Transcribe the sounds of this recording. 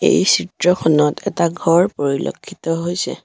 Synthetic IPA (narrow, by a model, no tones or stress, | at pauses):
ḛjsitɹɔxʰɔnɔtʰɛ̰taɡʱɔɹpoɹilʔo̰kʰːitɔɦojsɛ̰